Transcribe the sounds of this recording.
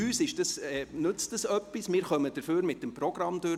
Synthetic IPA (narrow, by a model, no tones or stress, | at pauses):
yːsɪʃd̥ɑsɛnʏt͡std̥əsœpːismɪːɾχœməd̥əføːɾmɪt̚ːəmprɔɡ̥ɾɑmd̥ø